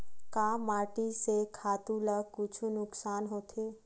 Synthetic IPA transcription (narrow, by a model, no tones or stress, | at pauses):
kaːmaːʈisekʰaːt̪uləkʊt͡ʃʰunʊksaːnɦoːt̪ʰeː